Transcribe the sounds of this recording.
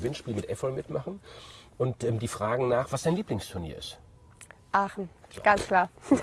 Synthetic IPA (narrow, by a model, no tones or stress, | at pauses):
vɪnʃpiːlmɪtʔɛfɔl̩mɪtmaχn̩ʔʊntʔɛmdiːfʁ̥aːɡŋ̩naːχv̥asd̥aɪnliːplɪŋstʰʊɐnḭːɐɪ̰st | ʔaːχn̩ɡ̥ant͡skl̥aː